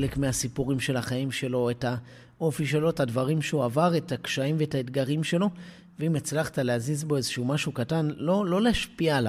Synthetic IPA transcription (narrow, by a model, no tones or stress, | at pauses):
lekmeasipuʁimʃe̞laχaimʃe̞lo̞etha | ʔo̞fiʃe̞lo̞etadvaʁimʃeuavaʁetakʃaimveetaetɡaʁimʃe̞lo̞ | veimet͡slaχtaleazizbo̞e̞zeʃumaʃukatanlo̞lo̞leaʃpiala